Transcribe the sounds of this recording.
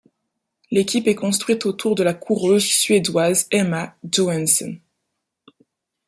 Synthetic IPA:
lekʲipɛkɔ̃st̪χɥit̪ot̪ʰuʁd̪əlakʰuʁøzsɥed̪wazɛmaʒoɛnsɔ̰n

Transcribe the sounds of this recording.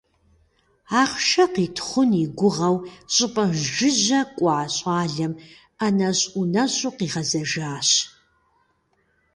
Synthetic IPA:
aːχʃɐqiːtʰχʷʊniɡʷʊʁɐwɕʼɪpʼɐʒʒɪʑɐkʷʼɑːɕʼaːɮɐm | ɐnɐɕʼunɐɕʼuqiːʁɐzɐʒaːɕ

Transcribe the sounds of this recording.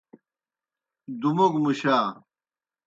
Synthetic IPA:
d̪umukmuɕaː

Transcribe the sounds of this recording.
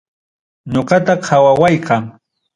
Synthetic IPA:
ɲoɢɑt̪aqʰawawajkaŋ

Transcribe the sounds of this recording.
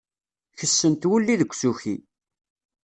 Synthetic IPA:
çəsːənt̪wulːiðəkʷːsuçi

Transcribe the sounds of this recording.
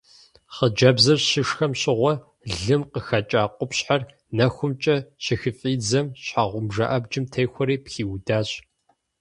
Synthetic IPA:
χəd͡ʒɐbzɐrɕɪʂxɐmɕʼɪʁʷɔ | ɮɨmqəxɐt͡ʃʼaːqʷʼʊpɕħar | nɐxʷʊmt͡ʃʼɐɕɪxɨfʼiːd͡zɐmɕħaʁʷʊmʒɐ̰ʔɐbd͡ʒɪmtʰejxʷɔɾiːpxiːwdaːɕ

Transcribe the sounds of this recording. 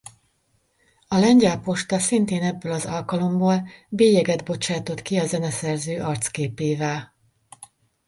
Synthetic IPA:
ɒlɛɲɟɛlpo̞ʃt̪ɒsint̪eːnɛbːøːlɒzɒlkɒlo̞mboːlbeːjɛɡɛd̪bo̞t͡ʃaːt̪o̞t̪kiɒzɛnɛsɛrzøːʔɒrt̪skeːpeːvɛl

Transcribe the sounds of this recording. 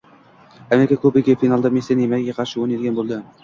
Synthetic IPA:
ameɾɪkʰakʰɵbɪɡʲefinɑlˠd̪ɑmʲesijanjemækʲːɡʲeqʰɑɾʃɪoned̪ɡʲænbolˠd̪ɪ

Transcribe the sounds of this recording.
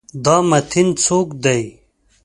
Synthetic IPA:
d̪aːmɐt̪ʰint͡sʰoːkd̪ɐj

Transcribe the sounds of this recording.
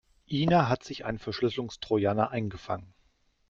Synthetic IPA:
ʔiːnaɦatz̥ɪça̰ɪnfɛɐʃlʏslʊŋstʁ̥ojaːnaʔaɪnɡəfaŋən

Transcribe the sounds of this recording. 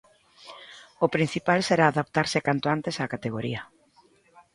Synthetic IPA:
ʊpɾin̟θipalseɾaːðapt̪aɾsɪkant̪oant̪esaːkat̪eɣ̞oɾiɐ

